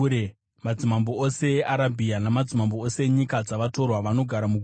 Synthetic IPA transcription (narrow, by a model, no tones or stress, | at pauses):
e | mad͡zimamboose̞eʔaɾabʱianamad͡zimamboose̞ɲikad͡zaʋato̞rwaʋano̞ɡʱaɾamuɡʱ